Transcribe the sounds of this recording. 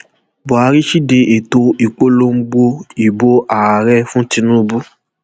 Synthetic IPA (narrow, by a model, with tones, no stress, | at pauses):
bɔ˨a˧ɾi˦ʃi˦de˧ʔe˨to˧i˨k͡po˦lo˧˦m̩˦ɡ͡bo˧i˨bo˧ʔa˨a˨ɾɛ˦fũ˦ti˧nũ˦˧bu˦